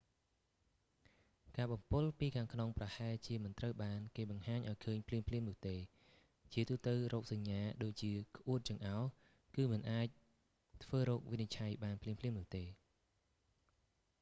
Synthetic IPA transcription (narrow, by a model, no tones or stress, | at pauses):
kaːɓɑmpɨlpiːkʰaːŋkʰnoŋprɑhaɛt͡ɕiəmɨnt̪rəwɓaːnkeːɓɑŋhaːɲʔaɔjkʰəːɲpʰliəmpʰliəmnʊ̆əht̪eː | t͡ɕiət̪uːt̪əwrɔːk̚saɲːaːɗoːc̚t͡ɕiəkʰʔuət̪̚t͡ɕɨəŋʔaɔ | kɨːmɨnʔaːc̚ | t̪ʰʋəːɾɔːk̚ʋinit͡ɕʰajɓaːnpʰliəmpʰliəmnʊ̆əht̪eː